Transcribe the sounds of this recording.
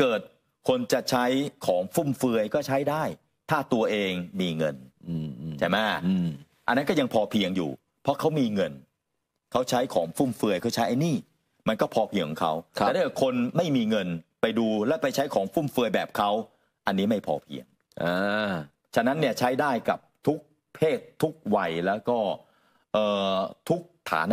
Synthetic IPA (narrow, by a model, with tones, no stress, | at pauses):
kɤː˨˩t̪̚ | kʰo˧nt͡ɕa˨˩t͡ɕʰa˦˥jkʰɔː˩˦ŋfu˥˩mfɯ˧əjkɔː˥˩t͡ɕʰa˦˥jdaː˥˩j | t̪ʰaː˥˩t̪u˧ɐʔeː˧ŋmiː˧ŋɤ˧nː˧˩ | t͡ɕʰa˦˧jma˦˥˩ | ʔa̰˧nːa˦˥kɔː˥˩ja˧ŋpʰɔː˧pʰi˧əŋjṵː˨˩ | pʰɔ˦˥kʰa˦˥wmiː˧ŋɤ˧n | kʰa˦˥wt͡ɕʰa˦˥jkʰɔ̰ː˩˦ŋfuː˥˩mfɯ˧əjkʰa˦˥wt͡ɕʰa˦˥jʔa˧jniː˥˩ | ma˧nkɔː˥˩pʰɔː˧pʰi˧ŋʰkʰːɔ˨˩˦ŋkʰa˦˥wt̪ʰːda˥˩jə˨˩kʰo˧nma˥˩jmiː˧ŋɤ˧npa˧jduː˧lɛː˦˥wpa˧jt͡ɕʰa˦˥jkʰɔː˩˦ŋfuː˥˩mfɯ˧əjbɛː˨˩p̚kʰa˦˥w | ʔa˧nːiː˦˥ma˥˩jpʰɔ̰ː˧pʰḭ˧əŋ | ʔaː˧ | t͡ɕʰa˧na˦˥nːi˥˩ɐt͡ɕʰa˦˥jdaː˥˩jka̰˨˩p̚t̪ʰu˦˥k̚ | pʰeː˥˩t̪ʰːu˦˥k̚wa˧jlɛː˦˥wkɔː˥˩ | ʔɤː˨˩t̪ʰu˦˥k̚t̪ʰa̰ː˩˦n